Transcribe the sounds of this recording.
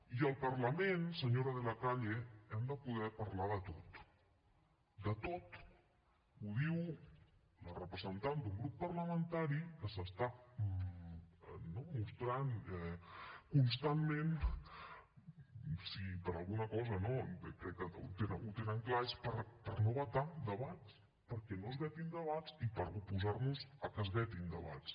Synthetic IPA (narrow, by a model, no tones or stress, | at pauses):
iəlˠpəɾləmẽnsəɲoɾəðəlakaʎeɛmd̪əpuðɛɾpaɾlaðət̪ot̪ | d̪ət̪ot̪ | uðiw | lərəpɾəzənt̪and̪uŋɡɾupːəɾləmənt̪aɾikəsəst̪a | nomust̪ɾanɛkunst̪anmen | sipəɾalˠɣunəkɔzənokɾɛkːəṵt̪enəut̪enəŋklaespəɾpəɾnoβət̪ad̪əβat͡s | pəɾkɛnozβɛt̪ind̪əβ̞at͡sipəɾupuzaɾnuzəkəzβɛt̪ind̪ə̰βa̰t͡s